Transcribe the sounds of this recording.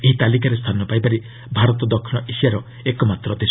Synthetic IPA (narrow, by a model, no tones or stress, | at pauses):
eɦit̪alik̬aɾest̪ʰanɔpajpaɾi | bʱaɾɔt̪ɔd̪ɔkʰːiñɔʔisiaɾɔ | ekɔmat̪ɾɔd̪es